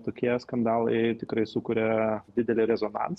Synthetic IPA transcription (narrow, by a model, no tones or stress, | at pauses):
t̪oːkʲiɛskɐnd̪ɑːlˠɐ̰ɪt̪ʲɪkɾɐɪsukʊɾʲɛd̪ʲɪd̪ʲɛlʲɪɾʲɛzoːnɑ̰ns